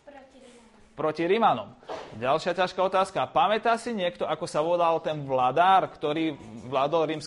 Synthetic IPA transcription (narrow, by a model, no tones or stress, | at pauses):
pɾɔciɾimanɔ̰mɟalʃɪacaʃkaɔt̪aːskapamɛt̪aːsiɲɪɛkt̪ɔakɔsaʋɔlalt̪ɛnʋlad̪aːɾkt̪ɔɾiːʋlad̪ɔlɾims